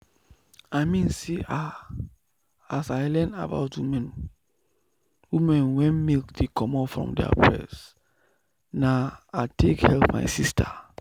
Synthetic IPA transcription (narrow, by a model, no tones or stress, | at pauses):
aɪmĩnsiʔa | asaɪlɛna̰ba̰ʊtwimɛ̃n | wimɛ̃nwɛ̃nmilkdekʰɔ̃mɔfɹɔ̰̃mdɛ̰ə̰pʰɹɛ̰s | naatʰekhɛlpma̰ɪsistʰə